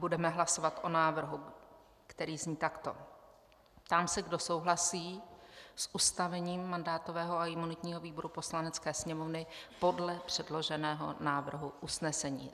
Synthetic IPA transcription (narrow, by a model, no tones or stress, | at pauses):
budɛmɛɦlaso̞vat̪ʔo̞naːvr̩ɦu | kt̪ɛɾiːzɲiːt̪akt̪o̞̰ | t̪amsɛɡdo̞so̞wɦlasiːsʔust̪avɛɲiːmːandaːt̪o̞vɛːɦo̞aɪmunɪt̪ɲiːɦo̞viːbo̞ɾupo̞slanɛt͡skɛːsɲɛmovnɪpo̞dlɛpr̝̥ɛdlo̞ʒɛnɛːɦonaːvr̩ɦuʔusnɛsɛɲḭː